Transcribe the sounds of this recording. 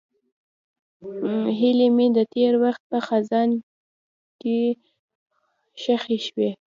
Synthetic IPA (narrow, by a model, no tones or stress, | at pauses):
ɦɪlemed̪ət̪eɾwaxt̪̚pəxazɑn | ke | ʃaxeʃwe